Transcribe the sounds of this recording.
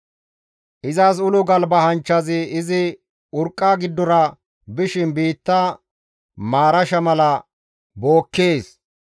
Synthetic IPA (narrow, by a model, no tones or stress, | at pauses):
ʔɪzɐs̬ʊlʊɡɐlbɐhɐnt͡ʃːɐzɪɪzɪ | ʊɾkʼːaːɡɪd̪ːɔɾɐ | bɪʃɪnbiːt̪ːɐ | maːɾɐʃɐmɐlɐ | bo̞ːkːeːs